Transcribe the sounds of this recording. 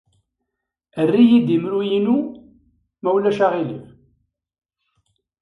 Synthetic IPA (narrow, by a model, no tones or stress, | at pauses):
ərːijid̪imɾujinu | mæwlæʃaʁilḭf